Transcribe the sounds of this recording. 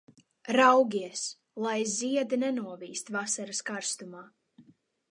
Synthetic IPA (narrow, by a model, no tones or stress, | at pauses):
ɾawɡʲiɛs | lˠajziɛd̪inɛnuɔviːst̪vasaɾaskaɾst̪umaː